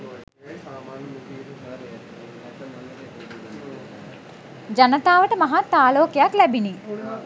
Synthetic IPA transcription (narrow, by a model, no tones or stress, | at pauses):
d͡ʒɐnɐt̪aːʋəʈəmɐɦat̪ːaːloːkjaklɛbini